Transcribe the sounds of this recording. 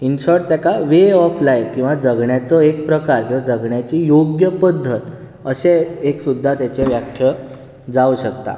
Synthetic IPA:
inɕɔʈt̪jakaʋeɔflajʋkĩw̃ʋad͡zəɡɳjat͡sɔek̚pɾəkaɾkĩwad͡zəɡɳjat͡ɕiːjoɡjəpəd̪ʱːət̪ | əɕeeksud̪ʱːat̪jat͡ɕeʋjakʰjə | d͡zauɕəkt̪a̰

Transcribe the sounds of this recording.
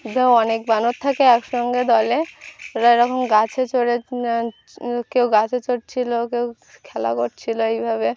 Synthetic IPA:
d̪ʱewɔnek̚banot̪ʰːakeɛkʃɔŋɡed̪ɔleɾaɾɔkʰonɡat͡ɕʰet͡ɕoɽe | kewɡat͡ɕʰet͡ɕoʈt͡ɕʰilokew | kʰɛla̰koʈt͡ɕʰiloejbʱaβe

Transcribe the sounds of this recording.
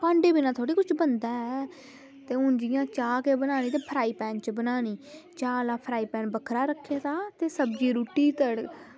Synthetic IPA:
pãːɳɖeːbinãːt̪ʰoːɽiːkʊt͡ʃʰbənd̪aːɛː | t̪eːʊnd͡ʒɪjãːt͡ʃaːkeːbənaːñiːt̪̬eːpʰəɾaːiːpɛ̃ːnt͡ʃbənaːniːt͡ʃaːlaːpʰɾaːiːpɛːnbəkʰɾaːɾəkʰːjaːt̪aːt̪eːsəbd͡ʒiːɾuːʈːiːt̪əɽ

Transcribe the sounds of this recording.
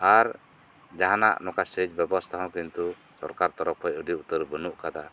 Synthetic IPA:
aɾ | d͡ʒaɦana̰ʔnɔkasəd͡ʒbɛbɔst̪ʰaɦɔ̃kint̪u | sɔɾkaɾt̪ɔɾɔk̚ʰɔjəɖiut̪əɾbənuʔkad̪a

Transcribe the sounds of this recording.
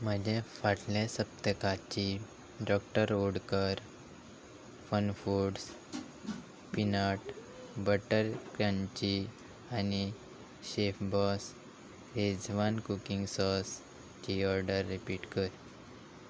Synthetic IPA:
m̤əd͡ʑẽfaʈlesəp̚t̪əkat͡ɕi | ɖɔk̚ʈəɾoɽkəɾ | fənfuɽs | pinaʈ | bəʈəɾkãɲt͡ɕi | ani | ɕefbɔs | ɾed͡zʋankukiŋɡsɔs | t͡ɕiɔɾɖəɾːipiːʈkəɾ

